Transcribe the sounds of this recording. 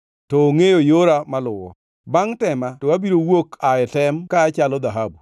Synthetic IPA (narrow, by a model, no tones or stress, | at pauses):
tɔːŋejojoɾamalʊwɔ̰ | baŋtɛmatɔwabiɾowokʰajɛtɛmkaːt͡ʃalɔd̪aɦabu